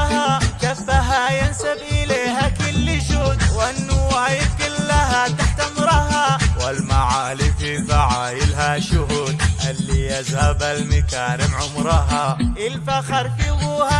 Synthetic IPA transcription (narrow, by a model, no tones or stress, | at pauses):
ɦakafːaɦajansabʔɪleːɦakɪlːɪʃʊd̪wʔanːuːajɪfkɪlːaɦat̪aħt̪amɾˤɑɦawalmaʕaːlififaʕaːjɪlɦaʃʊɦud̪ʔalːiʔazhabalmɪkaːɾɪmʕʊmɾˤɑɦaʔɪlfaxɑɾˤfɪwuha